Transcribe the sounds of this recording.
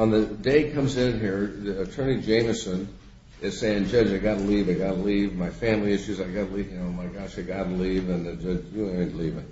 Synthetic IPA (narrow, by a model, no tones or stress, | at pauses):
ə̃nðɨdeɪkʰʌ̃mzɪ̃nɦiɹðiɨtʰɜ̃˞nid͡ʒẽɪ̃məsɨ̃n | ɨz̥seɪɪ̃ŋd͡ʒʌd͡ʒaɪɡɑɾəlivaɪɡɑɾəlivmaɪfæ̃mliɪʃʉzaɪɡɑɾəlivɨ̃noʊmaɪɡɑʃaɪɡɑɾəlivɨ̃nɨd͡ʒʌd͡ʒɨ̃tʰəlivɨt̚